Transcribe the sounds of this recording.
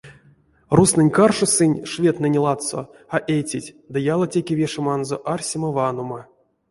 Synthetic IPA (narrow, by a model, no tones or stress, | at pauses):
rusnɨnʲkarʂosɨnʲʂvʲet̪nɨnʲlˠat̪so̰ | aʔejtʲitʲ | d̪ɨjalˠatʲekʲevʲeʂɨmanzoʔarsʲimavanoma